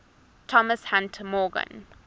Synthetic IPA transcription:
tʰɔməshãntʰəmɔɡə̰̃n

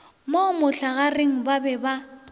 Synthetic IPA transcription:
momʊɬaɣareŋ̩babɛba

